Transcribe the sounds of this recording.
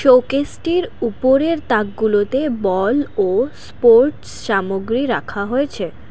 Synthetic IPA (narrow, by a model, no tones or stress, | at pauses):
ʃokesʈiɾupoɾeɾt̪akɡulot̪ebɔlospoɾʈ | ʃamoɡɾiɾakʰaɦoet͡ɕʰe